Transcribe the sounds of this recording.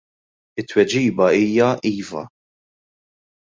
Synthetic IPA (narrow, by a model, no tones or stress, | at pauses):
ɪt̪ːwɛd͡ʒiːbɐiːjɐʔiːvɐ̰